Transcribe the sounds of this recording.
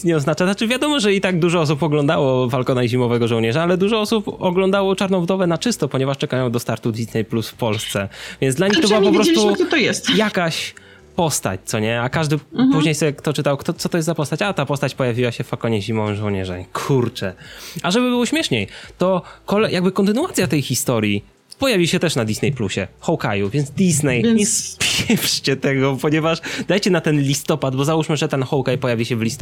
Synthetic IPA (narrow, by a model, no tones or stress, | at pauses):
ɲɛɔznat͡ʂaat͡ʂɨvʲjad̪ɔmɔʐɛit̪aɡ̚d̪uʐɔɔs̬upɔɡlɔ̃nd̪awɔvalkɔnaiʑimɔvɛɡɔʐɔwɲɛʐaalɛd̪uʐɔɔsupɔɡlɔnd̪awɔt͡ʂaɾnɔ̃w̃bd̪ɔvɛnat͡ʂɘst̪ɔpɔɲɛvaʂt͡ʂɛkajɔ̃w̃d̪ɔst̪aɾt̪ud̪vʲit̪nɛjplusfpɔlst̪sɛvʲjɛnd̪laɲixt̪ɔbɘwaapɔppɾɔst̪uit̪ɔjɛst̪jakaɕ | pɔst̪a̰t͡ɕt̪sɔɲɛakaʐd̪ɘpuʑɲejsɛkt̪ɔt͡ʂɘt̪awkt̪ɔt̪sɔt̪ɔjɛst̪zapɔst̪at͡ɕat̪apɔst̪at͡ɕpɔjavʲiwaɕɛfalkɔɲɛʑimɔvɨmʐɔwɲɛʐɛ̰kʰuɾt͡ʂɛaʐɛbɘbɨwɔɕmʲjɛʂɲejt̪ɔkɔlɛjaɡ̚bɘkɔnt̪ɘnuat̪sʲjat̪ɛjxʲist̪ɔɾji | pɔjavʲiɕɛt̪ɛʂnad̪ʲisnɛjpluɕɛ̰xɔwkajuvʲjɛnd̪ʲiznɛjɲɛspʲjjɛft͡ɕɛt̪ɛɡɔpɔɲɛvaʂd̪ajt͡ɕɛnat̪ɛnlʲist̪ɔpad̪bɔzauʂmɘʐɛt̪ɛnxɔwkajpɔjavʲiɕɛvlʲist̪